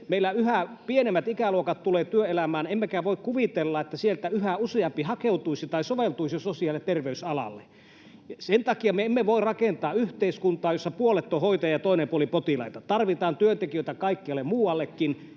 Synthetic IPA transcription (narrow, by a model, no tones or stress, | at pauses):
meilːæyhæpienemːæt̪ikæluokɑt̪t̪uleːt̪yøelæmæːnemːekæʋoˑikkuʋit̪elːɑet̪ːæsielt̪æyhæuseɑmpihɑkeut̪uisit̪ɑisoʋelt̪uisiososiɑˑlːet̪t̪erʋeysɑlɑ̰lːḛ | jɑsent̪ɑkiɑmeemːeʋoirrɑkent̪ɑːyht̪eiskunt̪ɑːjosːɑpuolet̪ːohoit̪ɑjɑt̪oˑinempuolipot̪ilɑ̰ˑit̪ɑt̪ɑrʋit̪ɑːnt̪yønt̪ekiøˑit̪ækɑˑikːiɑlːemmuːwɑlːekːin